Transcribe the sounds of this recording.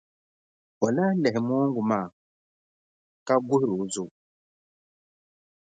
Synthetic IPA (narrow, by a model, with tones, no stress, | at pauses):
ɔ˨la˦lɛ˨m˦ɔ˦ŋɡu˨ma˦˨ | ka˦ɡu˦hɾu˨˦zu˦˨